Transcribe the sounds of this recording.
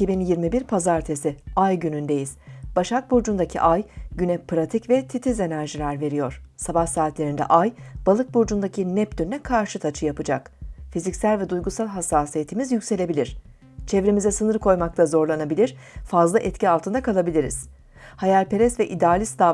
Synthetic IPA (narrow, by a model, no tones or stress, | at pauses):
icibinjiɾmibiɾpʰazaɾt̪ʰe̞siajɟynynd̪e̞jiz̥b̥aʃak̚buɾd͡ʒund̪acʰḭʔajɟynɛpɾat̪ʰicvɛt̪ʰit̪ʰize̞næɾʒilʲæɾve̞ɾijo̞ɾ̥sabahsaːt̪lʲe̞ɾind̪ɛ̰ʔajb̥alˠɯk̚buɾd͡ʒund̪acʰinɛp̚d̪ynnɛkʰaɾʃɯt̪ʰat͡ʃʰɯjapɯd͡ʒa̰kfizicsælʲvɛd̪ujɡusalˠɦasːaːsijet̪ʰimizjycʲse̞lʲe̞bilʲiɾ̥ | t͡ʃʰevɾemizɛsɯnɯɾkʰo̞jmak̚t̪ʰazo̞ɾlˠanabilʲiɾ̥fazlˠaʔɛt̪cialˠt̪ʰɯnd̪akʰalˠabilʲiɾḭz̥ | hajalʲpʰe̞ɾɛsvɛʔid̪aːlʲisd̪aː